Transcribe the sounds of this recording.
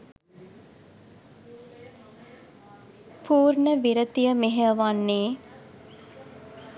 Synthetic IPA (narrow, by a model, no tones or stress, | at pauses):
puːɾnəʋiɾət̪ijəmeɦeʋanːeː